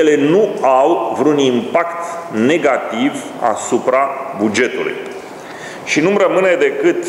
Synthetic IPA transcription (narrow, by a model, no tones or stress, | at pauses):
ele̞nuawvɾunimpakt̪ne̞ɡat̪iv | a̰supɾabud͡ʒe̞t̪ṵlṵj | ʃinumɾəmɨne̞d̪e̞kɨt̪